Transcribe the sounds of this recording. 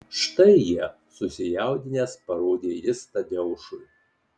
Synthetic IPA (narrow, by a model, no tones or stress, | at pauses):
ʃt̪ɐɪjiɛ | sʊsʲɪjæˑʊd̪ʲɪnʲeːspɐɾoːd̪ʲeːjʲɪst̪ɐd̪ʲɛʊʃʊɪ